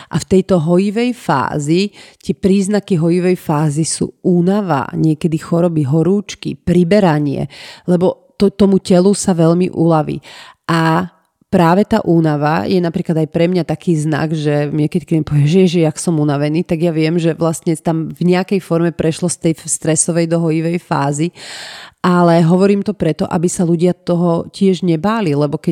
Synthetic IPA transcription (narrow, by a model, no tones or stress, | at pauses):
ʔaft̪ɛjt̪ɔɦɔjiʋɛjfa̰ːzit̪ɪɛpɾiːznakiɦɔjiʋɛjfaːzisṵːuːnaʋa̰ɲɪɛkɛd̪ixɔɾɔbiɦɔɾuːt͡ʃkḭpɾibɛɾaɲɪɛ̰lɛbɔ | t̪ɔt̪ɔmucɛlusaʋɛʎmḭʔulaʋḭːʔa | pɾaːʋɛt̪aːʔuːnaʋa̰jɛnapɾiːklad̪ajpɾɛmɲat̪akʰiːzna̰ɡʒɛmɪɛkɛcik̪mɛpɔʋɛmʒɛɛʒɛjaksɔmunaʋɛniːt̪aɡjaʋɪɛmʒɛʋlast̪ɲɛt̪amvɲɛakɛjfɔɾmɛpɾɛʃlɔst̪ɛjst̪ɾɛsɔʋɛjd̪ɔɦɔjiʋɛjfa̰ːzi | ʔalɛɦɔʋɔɾiːmt̪ɔpɾɛt̪ɔ̰ʔa̰bisaluɟɪat̪ɔɦɔcɪɛʒɲɛbaːlilɛbɔkɛ